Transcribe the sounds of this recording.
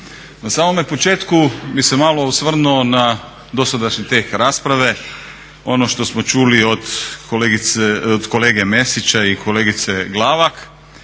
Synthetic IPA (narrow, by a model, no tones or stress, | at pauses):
nasaːmo̞mepo̞t͡ʃe̞ːt̪kubise̞maːlo̞usʋr̩nuona | d̪o̞sad̪aʃɲit̪eːkɾaːspɾaʋe̞ | o̞no̞ʃt̪o̞smo̞t͡ʃuːlio̞d̪koleɡit̪od̪ko̞le̞ːɡe̞me̞sit͡ɕaikʰo̞le̞ːɡit̪se̞ɡlˠaːʋak